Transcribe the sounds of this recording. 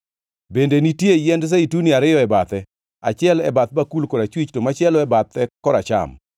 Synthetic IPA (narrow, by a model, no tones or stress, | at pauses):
bendenitjejɛnds̬eituniaɾɪjɔɛbat̪ɛ | a̰t͡ʃɪɛlɛ̰bat̪̚bakulkɔɾat͡ʃwit͡ʃtomat͡ʃɪɛlɔɛbat̪ːɛkɔɾat͡ʃa̰m